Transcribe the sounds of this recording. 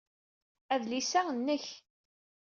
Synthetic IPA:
æðlisæənːəç

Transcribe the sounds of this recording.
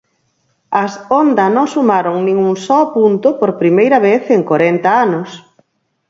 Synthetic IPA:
ɐsond̪ɐnõŋsumaɾoŋnĩŋuŋsɔapunt̪ʊpoɾpɾimejɾɐβeθeŋkoɾent̪ɐanʊs

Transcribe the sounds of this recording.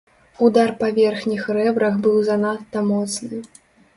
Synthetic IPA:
ud̪arpavʲɛrxnʲixrɛbɾɐxbɨwzanat̪ːɐmɔt̪snɨ

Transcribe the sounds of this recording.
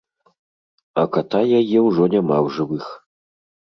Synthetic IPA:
ɐkat̪ajajɛwʐɔnʲamawʐɨvɨx

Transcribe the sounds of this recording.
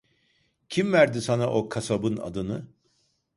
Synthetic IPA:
cʰimvæɾd̪isanaʔo̞kʰasabɯna̰d̪ɯnɯ

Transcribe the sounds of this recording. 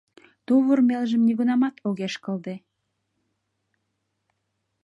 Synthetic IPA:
t̪uβərmelʒəmniɣunɑmɑt̪oɣeʃkə̆ld̪e

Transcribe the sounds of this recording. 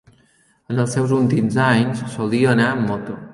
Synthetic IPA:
ənəlˠsɛwzulˠt̪imzaɲssolˠd̪iəːnaəmːɔt̪u

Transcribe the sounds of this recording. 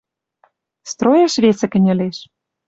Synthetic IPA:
st̪ɾojəʃβesə̆kɘ̆nʲɘ̆lʲeʃ

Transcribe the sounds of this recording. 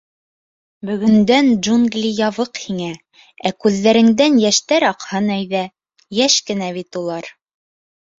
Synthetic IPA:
bɵ̆ɡɵ̆nd̪ænʒunɡlʲijɑβɤqhiŋæ | ækʉðːæɾɘ̆ŋd̪ænjæʃt̪æɾɑqhɤnæjðæ | jæʃkɘ̆næβit̪ulˠɑɾ

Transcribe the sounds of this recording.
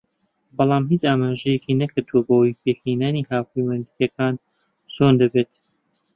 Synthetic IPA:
bɑlˠɑːmɦiːt͡ʃaːmaːʒɛjɛkʰinɐkʰɨɾd̪uwɐbɐwojpʰeːkiːnaːniːhaːwpʰejmand̪t̪ʰjɛkʰaːn | t͡ʃʰond̪ɐbet̪

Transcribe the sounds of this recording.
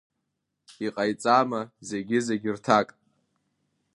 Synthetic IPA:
iqʼajt͡sʼamaze̞ɡʲɪzeɡʲɪrtʰakʼ

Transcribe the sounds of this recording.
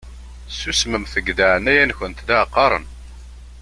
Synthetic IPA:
susməmθəɡðəʕnæjænçənt̪d̪æqːɑɾˤə̰n

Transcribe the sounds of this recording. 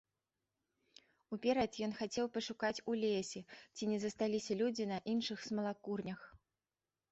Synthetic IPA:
upʲɛɾɐt̪jɔnxat͡sʲɛwpɐʂukat͡sʲulʲesʲɛt͡sʲinʲɛzɐst̪alʲisʲɐlʲud͡zʲinɐʔinʂɨxsmɐlˠakurnʲɐx

